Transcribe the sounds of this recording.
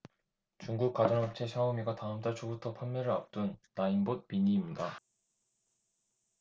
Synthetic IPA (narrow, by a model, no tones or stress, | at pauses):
t͡ɕuŋɡuk̚k͈ad͡ʑʌnɦʌp̚t͡ɕʰe̞ɕʰaomiɡataɯmt͈aɭt͡ɕʰobutʰʌpʰanːjʌɾɯɭap̚t͈unːainbot̚piɲiːmɲida